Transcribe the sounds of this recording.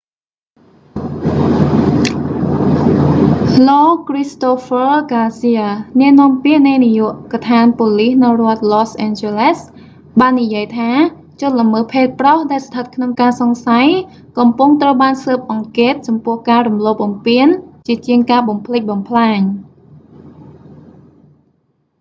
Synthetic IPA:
lɔːkrist̪ofərkaːlsiənɛ̆əʔnɔəmpiəʔnɨjnijŭəʔkat̪ʰaːnpoːlihnɨwrŏət̪̚lɔːsʔɛnt͡ɕeles | ɓaːnːijiəjt̪ʰaː | t͡ɕʊnləməːpʰeːt̪̚prɔhɗaɛlst̪ʰət̪̚kʰnoŋkaːsɑŋsaj | kɑmpuŋt̪rəwɓaːnsəːp̚ʔɑŋkeːt̪̚t͡ɕɑmpʊ̆əhkaːrumloːp̚ɓɑmpiənt͡ɕiət͡ɕiəŋkaːɓɑmpʰlɨc̚ɓɑmpʰlaːɲ

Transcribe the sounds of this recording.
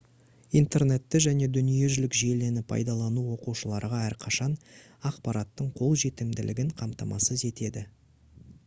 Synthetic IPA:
ijnt̪e̞rne̞t̪ːɪʒæne̞d̪ʏnije̞ʒʏlɪkʒie̞le̞nɪpʰɑ̰jd̪ɑlˠɑnuwo̞quʃəlˠɑɾʁɑæɾqʰɑʃɑn | ɑqpɑɾɑt̪ːəɴqʰo̞lˠʒe̞t̪ɪmd̪ɪlʔɪɡʲɪɴqʰɑmt̪ɑmɑ̰səze̞t̪e̞d̪ɪ

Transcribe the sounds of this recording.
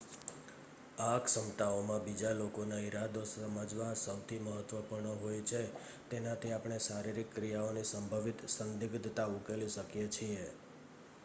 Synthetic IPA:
aksəmt̪aomãbid͡ʒalokonaiɾad̪osəməd͡ʒʋasəwt̪ʰiməɦət̪ʋəpuɾɳəɦojt͡ʃʰe | t̪enat̪ʰiapɳ̃esaɾiɾikːɾijaonisəmbʱəʋit̪sənd̪iɡd̪ʱt̪aukeliʃəkjet͡ʃʰie

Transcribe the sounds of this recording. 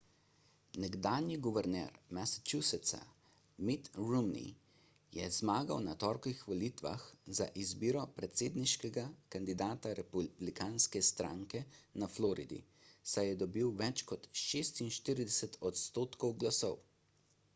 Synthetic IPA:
nɛɡd̪aːnjiɡuʋɛɾnɛ̰ɾmɛsḁt͡ʃusɛt̪sa̰ | mit̪ɾumnḭ | jɛzmaːɡawnat̪ɔːɾkʋixʋɔliːt̪ʋa̰xzaʔizbiːɾɔpɾɛt̪seːd̪niʃkɛɡakand̪id̪aːt̪aɾɛpublikaːnskɛst̪ɾa̰ːŋkɛnaflɔːɾḭd̪ḭ | sajɛd̪ɔbiwʋɛt͡ʃkɔt̪ʃeːst̪inʃt̪iːɾid̪ɛsɛt̪ɔt̪st̪oːt̪kɔwɡlasɔw

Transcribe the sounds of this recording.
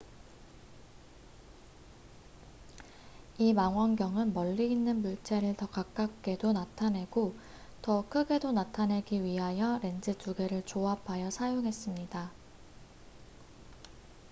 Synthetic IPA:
imaŋɦwaŋɡjʌŋɯnmʌʎːiːnːɯnmuɭt͡ɕʰe̞ɾɯɭtʌkak̚k͈ak̚k͈e̞donatʰanɦe̞ɡo | tʌkʰɯɡe̞donatʰanɦe̞ɡiɥiɦajʌɾe̞nd͡ʑɯtuɡe̞ɾɯɭt͡ɕoapʰajʌsʰajoŋɦe̞s͈ɯmɲida

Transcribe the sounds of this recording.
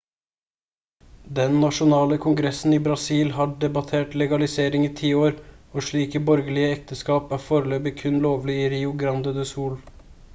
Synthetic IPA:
d̪ɛnnɑʃʊnɑːləkʰʊŋɡɾɛsn̩iːbɾɑsiːlhɑːɖɛbɑt̪ʰeːʈlɛɡɑlɪseːɾɪŋiːt̪ʰiːoːɾoːʃɭiːkəbɔɾɡəlɪəɛkt̪ʰəskɑːpæːɾfoːɾəløːpɪkʰʉnloːʋlɪiːɾiːʊɡɾɑnd̪əd̪əsuːl

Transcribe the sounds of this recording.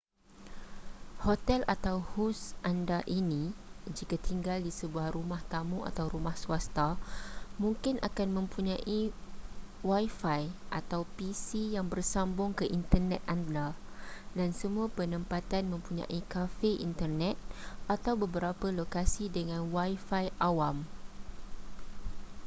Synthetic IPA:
hot̪ɛlat̪awhusʔandaʔinĩd͡ʒikat̪iŋɡaldisəbuahrumaht̪amũʔa̰t̪awɾumahsuast̪a | mũŋkɪnʔa̰kanmə̃mpuɲãʔi | wajfajʔat̪awpisijaŋbərsambʊŋkəʔint̪ərnɛt̪̚ʔanda | dansəmũapənə̃mpat̪anmə̃mpuɲã̰ʔikafeʔḭnt̪ərnɛt̪̚ʔat̪awbəbəɾapəlokasidəŋãnwajfajʔawam

